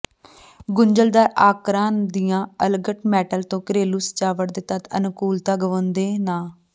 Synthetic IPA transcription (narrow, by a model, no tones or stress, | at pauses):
ɡʊɲd͡ʒəld̪aːʔaːkɾaːnd̪ɪjãːəlɡəʈmɛːʈəlt̪õːkɾeːluːst͡ʃaːʋəʈd̪eːt̪ət̪ə̰nkuːlt̪aːɡəʋõːnd̪eːnaː